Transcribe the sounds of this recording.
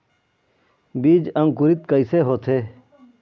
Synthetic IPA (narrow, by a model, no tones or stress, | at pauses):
biːd͡ʒɐ̃ŋkuɾit̪kəiseːɦoːt̪ʰeː